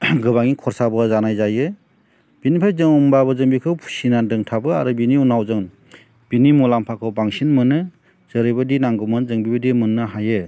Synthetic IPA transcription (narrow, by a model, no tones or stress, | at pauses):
ɡɯβaŋikʰɔɾsabɯzanajzajɯ | b̥inipʰajzɯŋumbaβɯzɯŋbikʰɯwpʰu̥sinandɯŋtʰabɯa̰ɾubiniunawzɯŋ | b̥inimulampʰakʰɯwbaŋsinmɯnɯ | z̥ɯɾɯjbɯdinaŋɡɔmɯnzɯŋbibɯdimɯnːɯɦajɯ